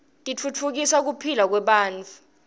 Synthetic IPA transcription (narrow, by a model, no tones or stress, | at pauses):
tʼit͡fʰut͡fʰuk̬isak̬upʰilak̬wɛɓaːnt͡fʰu̥